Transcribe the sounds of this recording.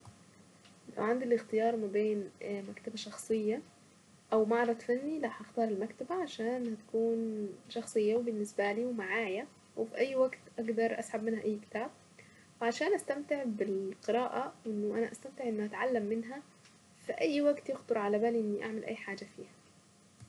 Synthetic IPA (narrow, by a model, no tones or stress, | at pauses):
la̰wʕand̪ilɪxt̪ɪjɑːɾˤmabeːnmækt̪abæʃɑxsˤɨjːa | ʔæwmɑʕɾˤɑd̪ˤfænːilaħʔɑxt̪ˤɑːɾˤɪlmækt̪abæʕaʃæːnhæt̪ḁkuːnʃɑxsˤɨjːawebɪnːɪsbæliːwemaʕaːjæ | wɪfiʔæjːwaɡt̪ʔaɡd̪ɑɾˤʔa̰sħabmɪnhaʔæjːkɪ̥t̪aːb̚ | wʕaʃæːnʔæst̪æmt̪ɪʕbɪlqɨɾɑːʔawʔɪnːʊʔænæʔæst̪æmt̪eʕʔnːʊʔæt̪ʕalːamːɪnɦæ | fiʔæjːwaɡt̪jɪxt̪ɑɾˤʕalæbæːliʔɪnːiʔa̰ʕmelʔæ̰jːħaːd͡ʒafiːhæ̥